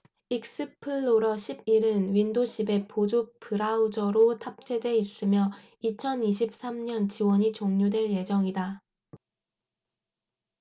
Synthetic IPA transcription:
ik̚s͈ɯpʰɯɭːoɾʌɕʰib̚iɾɯnwindoɕʰibe̞pod͡ʑopʰɯɾaud͡ʑʌɾotʰap̚t͡ɕ͈ʰe̞dwe̞is͈ɯmjʌ | it͡ɕʰʌniɕ̬ʰip̚s͈amɲʌnt͡ɕiwʌɲit͡ɕoŋɲudwe̞ɭje̞d͡ʑʌŋida

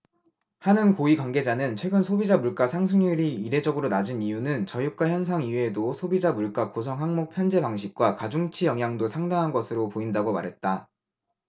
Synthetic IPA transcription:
hanɯnkoikwanɡe̞d͡ʑanɯnt͡ɕʰwe̞ɡɯnsʰobid͡ʑamuɭk͈asʰaŋsʰɯŋiɾiiɾe̞d͡ʑʌɡɯɾonad͡ʑinijunɯnt͡ɕʌjuk̚k͈waçjʌns̬ʰaŋiedosʰobid͡ʑamuɭk͈akus̬ʰʌŋɦaŋmok̚pʰjʌnd͡ʑe̞paŋɕ̬ʰik̚k͈wakad͡ʑuŋt͡ɕʰijʌŋɦjaŋdosʰaŋdaŋɦanɡʌsʰɯɾopoindaɡoma̰ɾɦe̞t̚t͈a

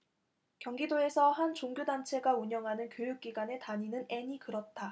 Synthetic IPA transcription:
kjʌŋɡidoe̞sʰʌhant͡ɕoŋɡjodant͡ɕʰe̞ɡauɲʌŋɦanɯnkjojuk̚k͈iɡwane̞taɲinɯne̞ɲikɯɾʌt̚t͈a

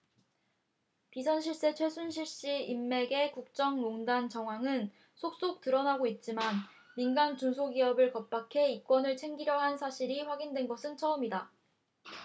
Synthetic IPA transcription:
pisʰʌnɕʰiɭs͈e̞t͡ɕʰwe̞sʰunɕʰiɭɕ͈iimːe̞ɡe̞kuk̚t͡ɕ͈ʌŋmoŋdant͡ɕʌŋɦwaŋɯn | sʰok̚s͈ok̚t͈ɯɾʌnaɡoit̚t͡ɕ͈iman | minɡant͡ɕunsʰoɡiʌbɯɭkʌp̚p͈akʰe̞ik͈wʌnɯɭt͡ɕʰe̞ŋɡiɾjʌɦansʰaɕʰiɾiɸwaɡindwe̞nɡʌsʰɯnt͡ɕʰʌɯmida

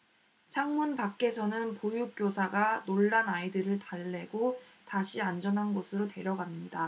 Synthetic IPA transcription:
t͡ɕʰaŋmunpak͈e̞sʰʌnɯnpojuk͈josʰaɡanoɭːanaidɯɾɯɭtaɭːe̞ɡotaɕʰiand͡ʑʌnɦanɡosʰɯɾote̞ɾjʌɡamɲida

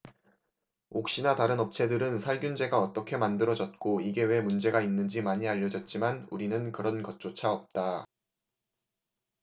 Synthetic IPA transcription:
ok̚ɕ͈inataɾɯnʌp̚t͡ɕʰe̞dɯɾɯnsʰaɭɡjund͡ʑe̞ɡaʌt͈ʌkʰe̞mandɯɾʌd͡ʑʌt̚k͈oiɡe̞we̞mund͡ʑe̞ɡainːɯnd͡ʑimaɲiaʎːʌd͡ʑʌt̚t͡ɕ͈imanuɾinɯnkɯɾʌnkʌt̚t͡ɕ͈ot͡ɕʰaʌp̚t͈a

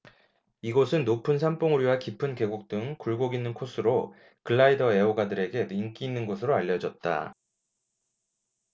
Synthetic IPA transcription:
iɡosʰɯnːopʰɯns̬ʰamp͈ʰoŋuɾowakipʰɯnke̞ɡuk̚t͈ɯŋkuɭɡoɡinːɯnkʰos͈ʰɯɾo | kɯɭːaidʌe̞oɡadɯɾe̞ɡe̞niŋk͈iːnːɯnɡosʰɯɾoaʎːʌd͡ʑʌt̚t͈a̰

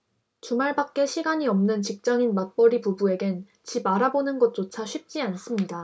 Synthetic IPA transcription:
t͡ɕumaɭbak̚k͈e̞ɕʰiɡaɲiʌmnɯnt͡ɕik̚t͡ɕ͈aŋinmak̚p͈ʌɾipubue̞ɡen | t͡ɕibaɾabonɯnɡʌt̚t͡ɕ͈ot͡ɕʰaɕʰɥip̚t͡ɕ͈ians͈ɯmɲida

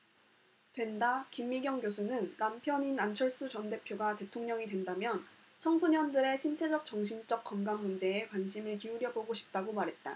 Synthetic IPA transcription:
twe̞ndakimːiɡjʌŋɡjos̬ʰunɯnːampʰjʌɲinant͡ɕʰʌɭs͈ut͡ɕʌnde̞pʰjoɡate̞tʰoŋɲʌŋidwe̞ndamjʌn | t͡ɕʰʌŋsʰoɲʌndɯɾe̞ɕʰint͡ɕʰe̞d͡ʑʌk̚t͡ɕ͈ʌŋɕʰint͡ɕ͈ʌk̚k͈ʌnɡamːund͡ʑe̞ːkwanɕʰimɯɭkiuɾjʌboɡoɕʰi̥p̚t͈aɡomaɾɦe̞t̚t͈a

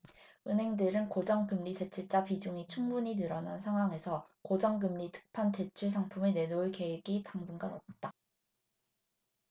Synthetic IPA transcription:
ɯnɦe̞ŋdɯɾɯnkod͡ʑʌŋkɯmʎite̞t͡ɕʰuɭt͡ɕ͈apid͡ʑuŋit͡ɕʰuŋbuɲinɯɾʌnansʰaŋɦwaŋe̞sʰʌ | kod͡ʑʌŋɡɯmʎitʰɯ̥k̚pʰante̞t͡ɕʰuɭs̬ʰaŋpʰumene̞nouɭke̞weɡitaŋbunɡanʌp̚t͈a

